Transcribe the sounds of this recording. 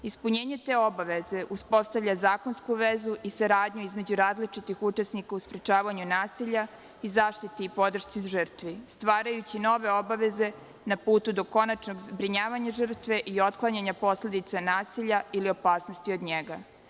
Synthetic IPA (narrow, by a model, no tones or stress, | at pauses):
ispuɲeːɲe̞t̪eːo̞baʋe̞ze̞ʔuspo̞st̪aʋʎazaːko̞nskuʋezuʔisaɾaːd̪ɲuizme̞d͡ʑuɾaːzlit͡ʂit̪ixut͡ʃesnikauspɾet͡ʃaːʋaɲunaːsiʎa | izaːʃt̪it̪eipo̞d̪r̩ʃt̪sizʒər̩t̪ʋist̪ʋaːɾajut͡ɕino̞ʋe̞o̞baʋe̞ze̞ | napuːt̪ud̪o̞ko̞nat͡ʃno̞ɡbɾiɲaːʋaɲaʐr̩t̪ʋe̞ʔio̞t̪klˠaɲaɲapo̞sle̞d̪it̪sanaːsiʎailio̞paːsno̞st̪iod̪ɲeɡa